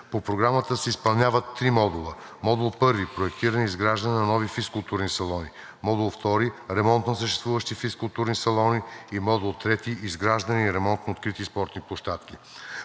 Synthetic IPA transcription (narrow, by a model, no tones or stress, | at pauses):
popɾoɡɾamət̪əsɛispɐlˠnʲavət̪ːɾimɔd̪ulˠəmɔd̪ulˠpɤɾvipɾoɛkt̪iɾəniizɡɾaʒd̪əninɐnɔvifiskʊlˠt̪uɾnisɐlˠɔni | mɔd̪ulˠft̪ɔɾiɾɛmɔnt̪nɐsəʃt̪ɛst̪vuvəʃt̪ifiskʊlˠt̪uɾnisɐlˠɔniːmɔd̪ulˠt̪ɾɛt̪iʔizɡɾaʒd̪əniiɾɛmɔnt̪noot̪kɾit̪ispɔɾt̪niplˠoʃt̪at̪kʲi